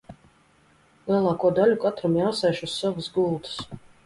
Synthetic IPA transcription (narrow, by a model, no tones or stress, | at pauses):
lˠiɛlˠaːkuɔd̪alʲukat̪ɾamjaːsɛjʃusːavusɡulˠt̪s